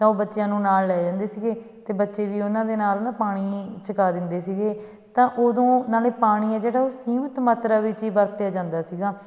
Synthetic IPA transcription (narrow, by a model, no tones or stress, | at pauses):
t̪ãːoːbətːʃjãːnũːnaːlːɛːd͡ʒãːnd̪eːsiːɡeː | t̪eːbətːʃeːʋiːʊnãːd̪eːnaːlonãːpaːɽ̃iːt͡ʃəkaːd̪ɪnd̪eːsiːɡeː | t̪ãːʔoːd̪õːnaːleːpaːɽ̃iːɛːd͡ʒeːɽaːoːsiːmət̪maːt̪ɾaːʋɪt͡ʃiːbəɾt̪ejaːd͡ʒãːnd̪aːsiːɡaː